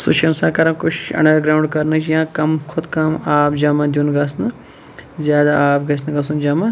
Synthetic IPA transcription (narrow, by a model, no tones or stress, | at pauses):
sṵʃʰɐnsãːkɐɾɐkʊt͡ʃʰɐ̰ɳɖɐɾɡɾaːuɳɖkɐɾnɨt͡ʃʰjãːkɐmkʰʊd̪kɐmaːpd͡ʒaːmãd̪ʲjunɡɐsnɨ | zʲjaːd̪aaːpɡɐsnɨɡɐsund͡ʒaːmã